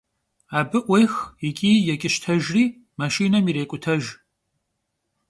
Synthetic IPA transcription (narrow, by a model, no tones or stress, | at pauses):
aːbɨʔʷejxikʲʼiːjɛkʲʼɪʃtʰɐʒriː | maʃiːnɐmiɾeːkʷʼʊtʰɐʒ